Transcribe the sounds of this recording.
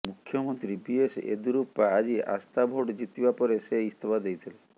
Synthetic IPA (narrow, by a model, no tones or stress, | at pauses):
mukʰːjɔmɔnt̪ɾibiesḛd̪uɾupːaːd͡ʒia̰st̪abʱoɽd͡ʒit̪ibapɔɾeseist̪ebad̪ejt̪ʰile